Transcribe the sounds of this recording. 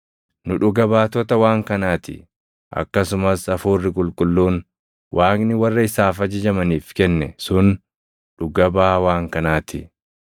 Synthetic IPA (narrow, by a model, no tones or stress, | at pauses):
nʊᶑʊɡɐbaːt̪ɔt̪ɐwaːŋkɐnaːt̪ɪ̰ | ʔɐ̰kːɐsʊmɐsɐfuːrːɪkʼʊlkʼʊlːuːn | wʔaːknɪwɐrːɐɪsaːfɐd͡ʒɪd͡ʒɐmɐniːfkɛnːɛsʊn | ɗʊɡɐbaːwaːŋkɐnaːt̪ɪ